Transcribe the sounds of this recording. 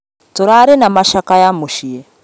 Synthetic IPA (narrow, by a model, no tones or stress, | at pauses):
tɔɾaɾinamaʃakajamuʃijɛ